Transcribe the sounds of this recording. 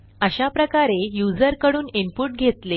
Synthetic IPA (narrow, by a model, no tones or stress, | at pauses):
əɕapɾəkaɾejud͡zəɾkəɽuːnimpuʈ̚ɡʱet̪le